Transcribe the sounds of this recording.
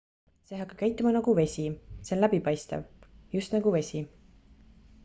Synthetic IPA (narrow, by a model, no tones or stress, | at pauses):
seɦɑkːɑ̥kæjt̪ːˑumɑnɑɡ̥uve̞sʲisenlæbipɑjst̪ɑ̰vjust̪nɑɡ̥uve̞sʲi